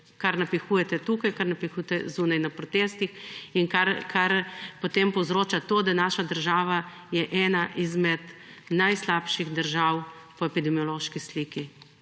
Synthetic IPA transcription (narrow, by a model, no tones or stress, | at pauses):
kaɾnapixuːjɛt̪ɛt̪uːkajkaɾnapixujt̪ɛzuːnajnapɾɔt̪est̪ixiŋkaɾkʰaɾpot̪empɔwzɾoːt͡ʃat̪oːd̪anaːʃad̪əɾʒaːʋa | jɛʔɛnaʔizmɛd̪ | najslaːpʃiɣd̪əɾʒaw | pɔɛpid̪ɛmijɔloːʃkisliki